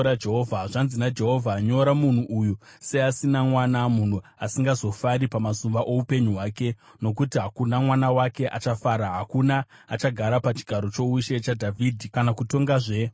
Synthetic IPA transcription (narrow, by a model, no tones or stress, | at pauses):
ɾad͡ʒeɦovʱaʐanzinad͡ʒe̞ɦo̞vʱaɲo̞ɾamun̤uʔujuseasinamwanamun̤uasiŋɡazo̞faɾipamasumbaʔo̞upe̞ɲuɦwaːke̞ | no̞k̬utiɦakunamwanawake̞ʔat͡ʃafaɾaɦakunaː | t͡ʃaɡʱaɾapat͡ʃi̥ɡʱaɾo̞t͡ʃo̞uʃe̞t͡ʃadʱavʱidʱikanakuto̞ŋɡaʐe̞